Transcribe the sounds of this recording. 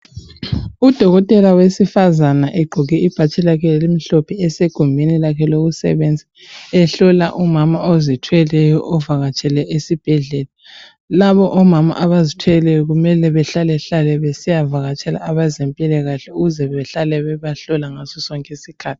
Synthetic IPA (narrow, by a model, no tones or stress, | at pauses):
ud̥ʱɔɣɔtʼɛlawesifazanaʔɛɡ͡ǃʱuɣɛib̥ʱat͡ʃʼɛlakʰɛɛlimiɬɔpʰɛɛseɡ̥ʱumbʱenilakʰɛloɣusɛ̰βɛnd͡zʱi | ɛɬɔlaʔumamaozitʰwɛlɛjɔʔɔvaɣat͡ʃʼɛlɛʔesib̥ʱɛɮɛla | laβɔʔɔmama̰ʔaβazitʰwɛlɛjɔɣumɛlɛβɛɬalɛɬalɛβesijavaɣat͡ʃʼɛla̰ːβazempʼilɛɣaɬɛuɣuzɛβɛɬalɛβɛβaɬɔlaŋasɔsɔŋkʼesikʰaːtʰii̥